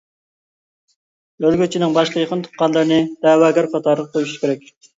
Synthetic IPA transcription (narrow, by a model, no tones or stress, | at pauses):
ølɡʲyt͡ʃʰinɪŋbɑʃqəjeqʰənt̪ʰu̥qqɑnlˠəɾɨnɪd̪̥ɛːwɑːɡʲæɾqʰɑt̪ʰɑɾəʁq̚t̪ølyʃkʲeɾɛkʲ